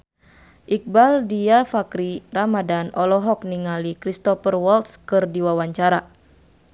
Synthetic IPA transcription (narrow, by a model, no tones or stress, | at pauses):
ʔik̚baldiafakɾiramadanɔlɔɦɔk̚niŋalikɾist̪ɔfərwɔlt̪skɨrdiwawaɲt͡ʃaɾa